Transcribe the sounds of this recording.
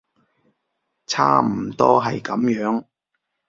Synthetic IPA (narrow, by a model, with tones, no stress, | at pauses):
t͡sʰa̰ː˥m̩˨˩t̪ɔː˥ɦɐ̰˨jkɐ˨˥mjœː˨˥ŋ